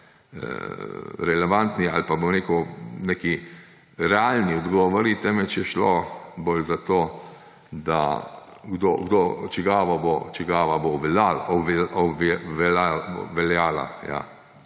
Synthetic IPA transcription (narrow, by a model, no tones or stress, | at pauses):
ə̰ɾɛlɛʋant̪nia̰lpaboɾekowneːki | ɾɛalniɔd̪ɡɔːʋɔɾit̪ɛːmɛt͡ʃjɛʃlobolzat̪o | d̪a̰ | ɡd̪o̰ɡd̪ot͡ʃɛɡaːʋɔbot͡ʃɛɡaːʋaboʋlalɔɔbʋɛlaʋɛljaːla̰ja̰